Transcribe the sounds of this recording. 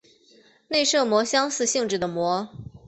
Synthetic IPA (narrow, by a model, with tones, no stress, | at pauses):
ne˥˧ɪʂɤ˥˩mwɔ˧˥ɕjɑ˥ŋsɹ̩˥˧ɕi˥˧ŋʈ͡ʂɻ̩˥˩d̪ə˩mwɔ˧˥